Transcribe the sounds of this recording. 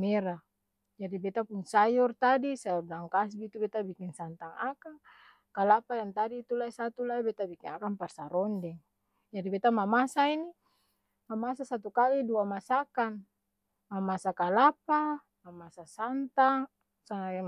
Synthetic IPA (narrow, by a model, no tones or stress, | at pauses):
mɛɾa | d͡ʒadibɛt̪apunsajɔrt̪adisabadaŋkas̬bit̪ubɛt̪abikinsant̪aŋaka | kalapajaŋt̪adiːt̪ulaisat̪ulaibɛt̪abikinakamparsaɾɔndɛŋ | d͡ʒadibɛt̪amamasaini | mamasasat̪ukaliduamasakan | mamasakalapa | mamasasant̪aŋ | sa